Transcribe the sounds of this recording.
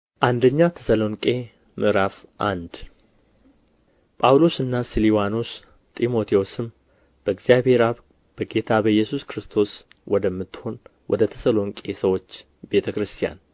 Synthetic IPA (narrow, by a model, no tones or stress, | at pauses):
ʔand̪əɲːat̪ʰə̥səlo̞ŋkʼe̞ | mʔɨɾafʔand̪ | pʼawlo̞sɨnːasɨliwano̞s | t̪ʼimo̞t̪ʰeosɨm | b̥əɡzijaβhe̞ɾaβ | b̥əɡe̞t̪ʰabəjːɛsuskɾɨst̪ʰo̞s | wɔd̪əmːɨt̪ːho̞nwʔɔ̰d̪ət̪ʰə̥səlo̞ŋkʼe̞səwo̞t͡ʃː | be̞t̪ʰəkɾɨst̪ʰija̰n